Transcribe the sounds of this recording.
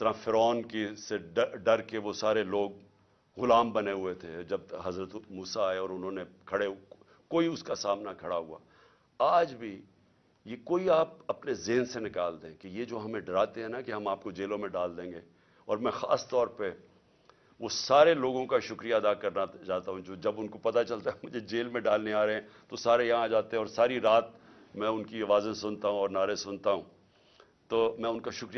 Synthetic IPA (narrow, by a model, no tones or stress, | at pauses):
ɪt̪ɐɾãfɪɾɔːnkeseɖɖɐɾkeʋosaːɾeloːɡ̚ | ɣʊlaːmbɐneɦʊet̪ʰed͡ʒɐb̚ɦɐzɾət̪muːsaːeɔːɾʊnɦõnekʰɐɽe | koːiʊskasaːmnakʰɐɽaɦua̰ː | aːd͡ʒbʱi | jekoːiaːp̚ɐpnezeːnsenɪkaːld̪ẽkejed͡ʒoːɦɐmẽɖɐɾaːt̪eɦɛ̃nakeɦɐ̃maːp̚kod͡ʒeːlõmẽɖaːld̪ẽːŋɡeː | ɔːɾmɛ̃xa̰ːst̪ɔːɾpe | ʋosaːɾeloːɡõkaʃʊkɾijaɐd̪akɐɾnad͡ʒaːt̪aɦũd͡ʒoːd͡ʒɐbʊnkopɐt̪at͡ʃɐlt̪aɦɛmʊd͡ʒʱed͡ʒeːlmẽɖaːlneaːɾeɦɛ̃ːt̪osaːɾejɐɦãd͡ʒaːt̪ẽɦɛ̃ɔːɾsaːɾiɾaːt̪̚ | mɛ̃ʊnkiɐʋaːzẽsʊnt̪aɦũɔːɾnaːɾesʊnt̪aɦũː | t̪oːmɛ̃ʊnkaʃʊkɾi